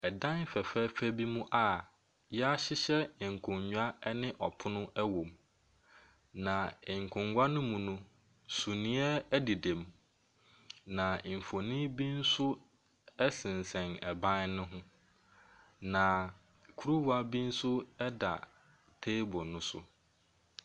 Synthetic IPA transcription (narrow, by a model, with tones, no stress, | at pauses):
ɛ˨dã˦n˦fɛ˨fɛ˦fæ˦bi˦mũ˦ʔa˨ | jɛ˦a˦ɕɪ˦ɕɛ˦˨ŋ̩˨kʰʊ̃˨ɲɲu˦a˦nɪ̃˦ʔɔ˨pʰʊ˦nʊ̃˦ʔɛ˦wõ˨m | nã˨ɪ˨ŋ̩˨kʰʊ̃˨ŋɡʷa˦nʊ̃˦mũ˨nũ˦ | su˨nĩ˦ɛ˦æ˦di˨dẽ˨m | nã˨m̩˨fo˨nĩ˦bi˦n̩˦sʊ˦ | ɛ˦sɪ̃˨n˨sɛ̃˨nɛ˨bã˦nnʊ̃˦ɦʊ̃˦ | nã˨ | kʰu˦ɾu˦wa˦bi˦n̩˦sʊ˦ɛ˦da̰˨ | tʰe˦bʊ˨nʊ̃˦sʊ̰˦